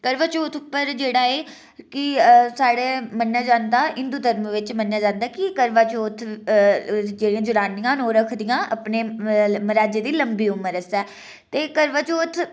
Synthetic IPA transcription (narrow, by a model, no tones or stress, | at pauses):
kəɾʋaːt͡ʃoːt̪ʰʊpːəɾd͡ʒeːɽaːeː | kɪsaːɽeːmənːjaːd͡ʒãːnd̪aːʔɪnd̪uːd̪ʱəɾməʋɪt͡ʃmənːjaːd͡ʒãːnd̪aːkɪkəɾʋaːt͡ʃoːt̪ʰ | d͡ʒeːɽĩjãːd͡ʒʊɽaːnɪjãːnoːɾəkʰd̪ɪjãːʔəpneːməɾaːd͡ʒeːd̪iːləmbiːʊməɾəsɛː | t̪eːkəɾʋaːt͡ʃoːt̪ʰ